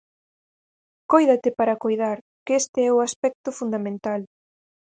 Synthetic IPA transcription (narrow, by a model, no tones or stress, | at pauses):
kojðat̪ɪpaɾakojðaɾ | kɛst̪ɪɛʊaspɛk̚t̪ʊfund̪amẽnt̪al